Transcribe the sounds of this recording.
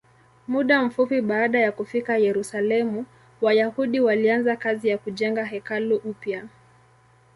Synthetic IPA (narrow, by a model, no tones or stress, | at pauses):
muɗam̩fupiɓaːɗajakufikajɛɾusalɛmu | wajahuɗiwalianzakazijakuʄɛŋɡaɦɛkaluʔupja